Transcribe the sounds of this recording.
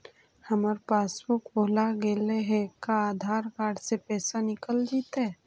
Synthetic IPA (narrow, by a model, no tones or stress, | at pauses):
həməɾpaːsbʊkboːlaɡeːleɦekaaːd̪ʱaːɾkaːɖsepɛːsanɪkəld͡ʒ̪iːt̪ɦɛ